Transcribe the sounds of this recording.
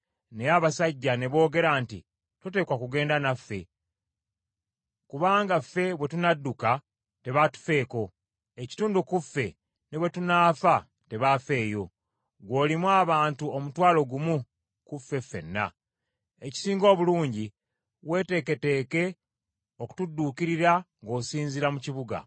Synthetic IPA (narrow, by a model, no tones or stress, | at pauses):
nejaβasaɟːane̞βo̞ːɡe̞ɾaːntḭ | tute̞ːkwakuɡe̞ːndanafːe̞̰ | kuβaːŋɡafːe̞βwe̞tunadːuka | te̞βatu̥fe̞ːko̞ | eci̥tuːndukufːe̞ | newe̞tunaːfa | te̞βafe̞ːjo̞ | ɡwo̞ːlimwaːβaːntuomutwaːlo̞ɡumu | kufe̞fe̞̰nːa̰ | e̞ci̥siːŋɡo̞ːβuluːɲɟi | we̞ːte̞ːke̞te̞ːke̞ | o̞ku̥tudːuːkiɾiɾaŋɡo̞ːsiːnziɾamuciβuɡa̰